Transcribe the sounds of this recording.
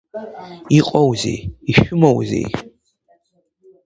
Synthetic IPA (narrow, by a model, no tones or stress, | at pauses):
iqʼɐwzḭjiʃʊmɐwzḭj